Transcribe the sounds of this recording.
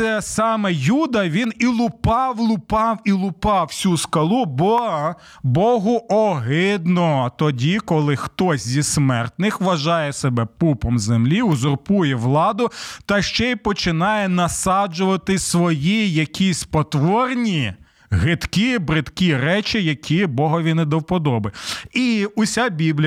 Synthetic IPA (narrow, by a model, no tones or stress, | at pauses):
ɛsɑmɛjud̪ɐʋʲinilˠʊpɑwlˠʊpɑwilˠʊpɑwsʲuskɐlˠubɔ | bɔɦʊʔɔɦɪd̪nɔt̪ɔdʲikɔlˠɪxt̪ɔsʲzʲismɛrt̪nɪxʋɐʒɑjɛsebɛpupɔmzemlʲiuzʊrpujɛʋlˠɑd̪ʊt̪ɐʃt͡ʃɛipɔt͡ʃɪnɑjɛnɐsɑd͡ʒʊʋɐt̪ɪsʋɔjijɐkʲʰisʲpɔt̪ʋɔrnʲi | ɦɪt̪kʲibɾɪt̪kʲiɾɛt͡ʃɪjɐkʲʰibɔɦɔʋʲinːɛd̪ɐwpɔd̪ɔbɪiʊsʲabʲiblʲ